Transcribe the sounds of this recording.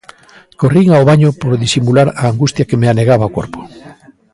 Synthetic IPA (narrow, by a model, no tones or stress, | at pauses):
koriŋaoβaɲopoɾðisimulaɾaːŋɡust̪jakemeaneɣaβaokoɾpo̥